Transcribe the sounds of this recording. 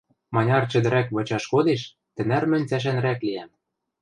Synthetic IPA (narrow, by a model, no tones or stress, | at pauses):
mɑnʲɑrt͡ɕɘ̆d̪ɘ̆ɾækβɤ̆t͡ɕɑʃkod̪eʃ | t̪ɘ̆nærmɘ̆nʲt͡sæʃ̬ænɾækliæm